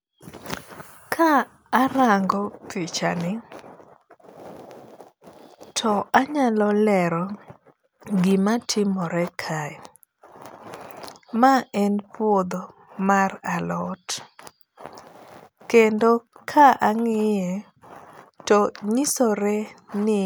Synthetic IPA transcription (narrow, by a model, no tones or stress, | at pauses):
kʰaː | ɾaŋɡɔpʰit͡ʃa̰nɪ | tʰɔʔaɲalɔlɛɾɔ | ɡɪmatʰɪmɔɾɛkʰaɛ | maʔɛnpwod̪o | maralɔt | kendokʰaʔaŋɪjɛ | tɔɲisoɾɛnɪ